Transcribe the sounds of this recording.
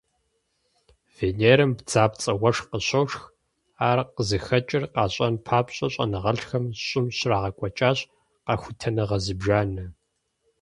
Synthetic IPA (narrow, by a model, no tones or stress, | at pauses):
veːneːɾɨmbd͡zaːpt͡sʼɐwɐʂqəɕowʂx | aːrqəzɨxɐt͡ʃʼɪrqɑːɕʼɐnpʰaːpɕʼɐɕʼɐ̰nɨʁɐɬxɐmɕʼʊmɕraːʁɐkʷʼɔt͡ʃʼaːɕ | qɑxʷʊtʰɐnɐʁɐzɨbʒaːnɐ